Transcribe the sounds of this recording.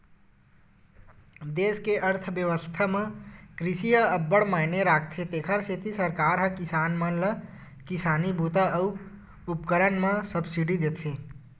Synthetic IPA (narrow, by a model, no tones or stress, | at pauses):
d̪eːskeʔəɾt̪ʰbjəʋəst̪ʰamẽkɾɪsijəəbːəɽmaːɪneɾaːk̚ʰt̪ʰet̪eːkʰəɾset̪isəɾkaːɾɦə̃kɪsaːnmə̃lə | kɪsaːnibʱuːt̪aəu | upkəɾənmãsəbsiɖid̪eːt̪ʰẽː